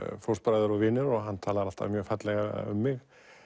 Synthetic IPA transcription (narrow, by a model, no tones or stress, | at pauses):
fɔwɾspɾajðʏɾɔɣvɪːnːɪɾɔɣɦanːt̪ʰaːlaðɾal̥t̪a̰vmjœːfat̪lɛɣa̰ʏ̰mːɪɣ